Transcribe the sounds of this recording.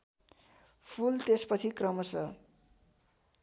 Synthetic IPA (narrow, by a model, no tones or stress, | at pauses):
pʰult̪espʌt͡sʰikrʌmʌsʌ